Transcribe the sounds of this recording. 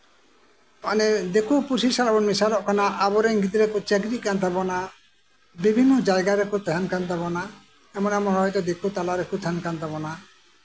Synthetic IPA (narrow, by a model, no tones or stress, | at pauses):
paned̪ekupuɾsisalabɔnmisalɔʔkanaʔabɔɾeŋɡit̪̬iɾekut͡ʃɛɡɾiʔkant̪̬abɔna | bibʱinːɔd͡ʒajɡaɾekut̪ɦɛnkant̪abɔna | ɛmɔnɛmɔnɦɔjʈɔd̪ekut̪alaɾekut̪ʰɛnkant̪abɔna